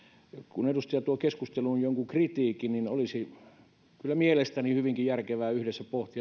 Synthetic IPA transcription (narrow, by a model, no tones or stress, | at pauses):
kunedust̪iɑt̪uokeskust̪elunjoŋkukrit̪iːkininolisi | kylːˑæmielest̪ænihyʋiŋkijærkeʋæːyhdesːæpoht̪iɑ